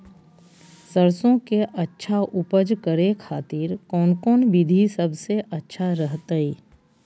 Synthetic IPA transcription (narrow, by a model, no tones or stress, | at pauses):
səɾsõkeʔɐtːʃʰaʔʊpəd͡ʒkəɾekʰaːt̪iːɾkɔːnkɔːnbɪd̪ʱisɐbʱseʔɐtːʃʰaɾəɦt̪aiː